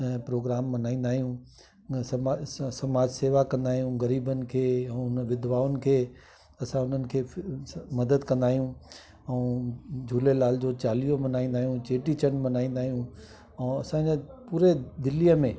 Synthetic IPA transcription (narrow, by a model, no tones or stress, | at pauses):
pɾoːɡɾaːmːɐnaːĩːn̆d̪aːɦijũ | asɐmaːd͡ʑseːʋakɐ̃nd̪aːɦijũɣɐɾiːbənɪ̆kʰeːɛ̃ʊnʋɪd̪ʋaːʊnɪ̆kʰeː | ɐsãʊn̤ənɪ̆kʰeːmɐd̪əd̪kɐ̃nd̪aːɦijũ | ɛ̃ːd͡ʑʱuːlelaːld͡ʑot͡ɕaːlijomɐnaːĩːnd̪aːɦijũt͡ɕeːʈit͡ɕənmɐnaːĩːnd̪aːɦijũ | ɛ̃ːɐsãd͡ʑepuːɾed̪ɪlijəmẽ